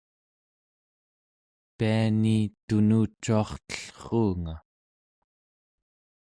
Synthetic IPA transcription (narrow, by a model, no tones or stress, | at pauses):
pianit̪unuːt͡ʃːuɑχt̪ə̥ɬχuːŋa